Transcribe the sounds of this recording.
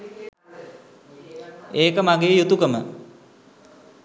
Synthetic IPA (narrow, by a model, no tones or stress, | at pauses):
eːkəmaɡeːjut̪ukəmə